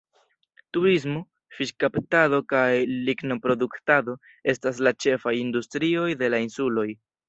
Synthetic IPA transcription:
tuɾis̬mo | fiʃkaptado̞kajliɡno̞pɾo̞duktado̞ | e̞stas̬lat͡ʃe̞fajindustɾio̞jde̞lainsulo̞j

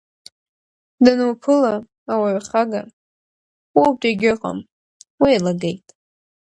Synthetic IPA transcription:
dɨnwpʰɨlaː | waɥχaɡa | wawtʼiɡʲɪqʼa̰m | wijlaɡejtʼ

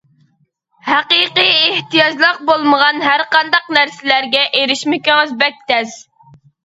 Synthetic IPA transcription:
hæqɨqijeht̪ijɑd͡ʒlˠəq̚bolˠməʁɑnɦæɾqɑnd̪ɑqnæɾsɪlæɾɡʲɛʔeɾɪʃmɪkʲɪŋɨzbɛk̚ʲt̪ʰɛz̥

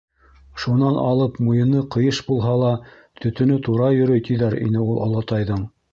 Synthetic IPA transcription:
ʃunɑnʔɑ̰lˠɤpmujɤ̆nɤqɤ̆jɤʃbulˠɦɑlˠɑ | t̪ʰɵ̆t̪ɵ̆nɵt̪uɾɑjɵ̆ɾɵjt̪ʰiðæɾḭnɘulˠŏ̰lˠɑt̪ɑjðɤɴ

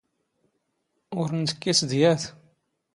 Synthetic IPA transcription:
ʊɾnt̪ə̥kːisd̪jæθ

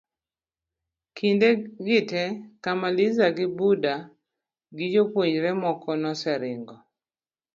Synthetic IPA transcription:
kʰindeɡɪtɛkamalɪzaɡɪbuda | ɡɪd͡ʒopwoɲɾɛmɔkɔnɔsɛɾɪŋɡɔ

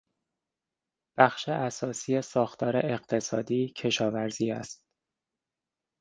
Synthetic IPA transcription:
b̥æxʃeʔæsɒːsiːesɒːxt̪ʰɒːɾeʔeɢt̪ʰe̞sɒːd̪iːcʰe̞ʃɒːvæɾziːæst̪

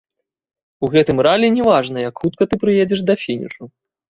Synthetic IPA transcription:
uɣɛt̪ɨmɾalʲɛnʲɛvaʐnɐjɐkxut̪̚kɐt̪ɨpɾɨjed͡zʲɛʂd̪ɐfʲinʲḭʂu

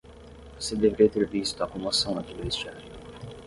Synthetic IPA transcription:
vosed̪eveɾiɐt̪eɾvist̪ʊɐkõmosɐ̃w̪̃ɐk̪iluist͡ʃɛli

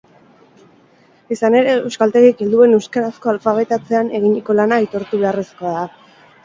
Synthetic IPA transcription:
isane̞ɾe̞ewskalt̪e̞ɣike̞ld̪ue̞ne̞wskaɾasko̞alfaβ̞e̞t̪at͡se̞ane̞ɣ̞iɲiko̞lanait̪o̞ɾt̪uβe̞aresko̞aða

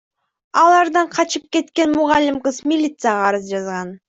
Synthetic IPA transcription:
ɑlˠɑɾd̪ɑɴqʰɑt͡ʃɯp̚ke̞t̪ke̞nmʊʁɑlʲːɪmqəzmʲɪlʲit̪sɨjaʁɑɾɯzd͡ʒɑzʁɑn

